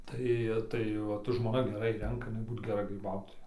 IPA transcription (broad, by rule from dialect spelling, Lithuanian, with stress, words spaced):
ˈtɐɪ ˈtɐɪ ˈʋɐt ʒmoːˈnɐ ɡʲɛˈrɐɪ ˈrʲɛŋkɐ ɪˈnɐɪ ˈbuːt ɡʲɛˈrɐ ɡrʲiːˈbɐʊtoːjɛ